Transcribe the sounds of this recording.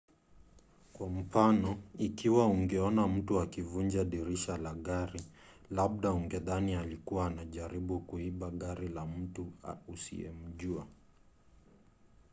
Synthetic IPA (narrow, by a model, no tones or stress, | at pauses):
kwam̩fanɔikiwauŋɡɛɔnam̩tuakivuɲd͡ʒaɗiɾiʃalaɠaɾi | laɓ̚ɗauŋɡɛðanialikuwaːnaʄaɾiɓukuiɓaɠaɾilam̩tuusḭɛ̰m̩ʄua